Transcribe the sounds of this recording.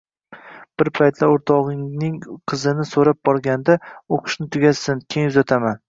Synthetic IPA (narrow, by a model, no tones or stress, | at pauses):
b̥ɪɾpʰajt̪ʰlaoɾt̪ʰɒʁɪŋnɪŋqʰɨzɪnɪsoɾap̚bɒɾɡʲand̪aoqʰɨ̥ʃnɪt̪ʰʊɡʲasɪnkʲʰeŋjʊzat̪ʰaman